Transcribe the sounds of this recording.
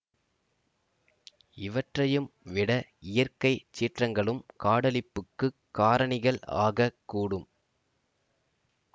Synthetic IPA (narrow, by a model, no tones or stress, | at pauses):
ɪʋɐʈrɐjɯmʋɪɽɐɪjɐrkɐɪt͡ʃːiːʈrɐŋɡɐɭɯmkaːɽɐlɪpːɯkːɯkːaːɾɐɳɪɣɐɭa̰ːɣɐkːuːɽɯm